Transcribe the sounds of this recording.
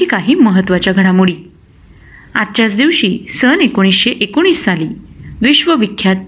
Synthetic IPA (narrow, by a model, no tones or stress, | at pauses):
iːkaɦiːməɦət̪ːʋat͡ɕjaɡʱəɽamuɽiː | a̰tt͡ɕat͡sd̪iʋɕiːsənekoɽ̃isɕeʔekoɽ̃iːsːaliːʋiɕʋəʋikʰːjat̪̚